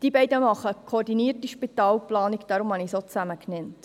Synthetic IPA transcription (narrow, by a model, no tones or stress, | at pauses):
d̥iːbɛɪdəmɑχəkʰoɾdiniːərtiʃpitɑːlplɑːnikd̥ɑɾʊmhɑnisot͡sæməknɛnt